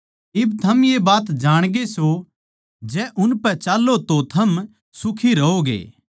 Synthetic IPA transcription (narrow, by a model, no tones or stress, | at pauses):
ɪbt̪ʰɐmjebaːt̪d͡ʒaːɽ̃ɡeso | d͡ʒɛʔʊnpɛt͡ʃaːlːot̪ot̪ʰɐm | sʊkʰiɾɐɦoɡḛː